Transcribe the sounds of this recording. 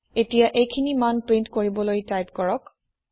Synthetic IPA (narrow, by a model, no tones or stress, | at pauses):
etijaʔejkʰinimanpɹintkoɹibɔlojtajpkɔɹɔk